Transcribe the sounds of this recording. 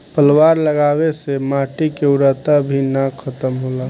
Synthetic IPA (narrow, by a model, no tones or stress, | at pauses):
pəlwaːɾləɡaːwesemaːʈikeʊɾət̪abʱinakʰət̪əmɦola